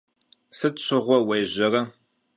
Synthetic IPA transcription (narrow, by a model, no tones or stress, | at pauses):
sɨɕʷʰɨʁʷɔwɐjʑɐrɐ